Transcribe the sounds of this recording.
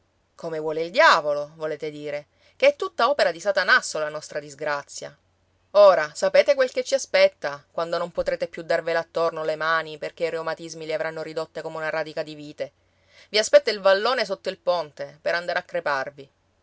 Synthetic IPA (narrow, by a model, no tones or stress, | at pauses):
komevwɔːleild̪jaːvolovoleːt̪ed̪iːɾe | keɛt̪ːut̪ːaɔːpeɾad̪isat̪anasːolanɔst̪ɾad̪izɡɾat̪sːja̰ | oːɾasapeːt̪ekwelk̟et͡ʃːiaspɛt̪ːakwand̪onompot̪ɾeːt̪epjud̪arvelat̪ːornolemaːniperk̟eiɾeumat̪izmileavɾanːoɾid̪ot̪ːekomeunaɾad̪ikad̪iviːt̪e | viaspɛt̪ːoilvalːoːnes̬ot̪ːoilpont̪epeɾand̪aːɾeakːɾeparvi